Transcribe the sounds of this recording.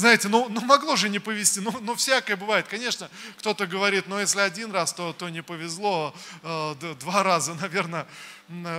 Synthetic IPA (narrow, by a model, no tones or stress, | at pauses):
znajɪtʲɪnunomɐɡlˠo̞ʐɨnʲɪpəvʲɪsʲtʲinunofsʲakəjəbɨvajɪt̪̚kɐnʲe̞ʂnəkt̪o̞t̪əɡəvɐɾʲit̪nojesʲlʲɪɐdʲinrast̪o̞t̪o̞nʲɪpəvʲɪzlˠo̞ | d̪vaɾazənɐvʲe̞rnə